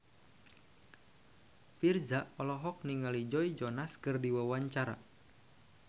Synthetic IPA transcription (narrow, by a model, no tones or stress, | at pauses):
firzaʔɔlɔɦɔk̚niŋalid͡ʒɔid͡ʒɔnaskɨrdiwawaɲt͡ʃaɾa